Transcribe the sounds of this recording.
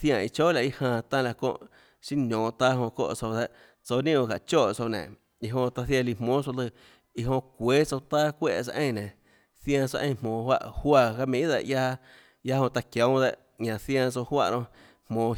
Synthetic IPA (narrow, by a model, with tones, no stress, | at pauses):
θjã˧˨i˧t͡ʃoː˦˨la˧˨i˧hãː˧˨t̪ã˧la˧kõ̰˧˨ʔ | ʃĩ˦nõː˨t̪aː˦ɦõ˧ko̰˦˧˨t͡so˧wd̪e˧ʔ | t͡so˧nĩ˦õ˧˨ka˨t͡ʃoː˦˨t͡so˧˨nḛ̃˨ | i˧ɦõ˧t̪a˧θja˧˨li˧˨hmõː˦t͡so˧lɨ˧˨ | i˧ɦõ˧kʷeː˨˦t͡so˧t̪aː˦kʷḛ˦˨t͡sa˧ʔẽ˦˨nẽ˨ | θj̃ã˧t͡sa˧ʔẽ˧˨˧mõː˨hwa̰˦˧ʔhwa˧˨ka˧mĩ˧ʔd̪e˧˨ʔja˦ | ja˦hõ˧t̪a˧kjõ˨˦wd̪e˧ʔ | ɲã˧θjã˧t͡so˧hwa̰˧ʔɾõ˧ | hmõː˨˧